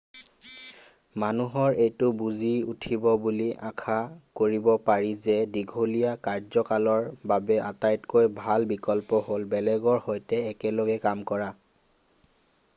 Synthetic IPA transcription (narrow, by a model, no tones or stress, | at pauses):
manuɦɔɹejtʊbuziutʰibɔbuliʔakʰakoɹibɔpaɹizɛdiɡʱolijakaɹzɔkalɔɹbabɛatajtkojbʱalbikɔlpɔɦolbɛlɛɡɔɹhojtɛːkɛlɔɡɛkamkɔɹa